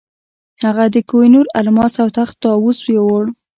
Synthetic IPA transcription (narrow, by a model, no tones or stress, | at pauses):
haɣad̪əkojnuɾalmɑsawt̪axt̪ɑwuswjewoɽ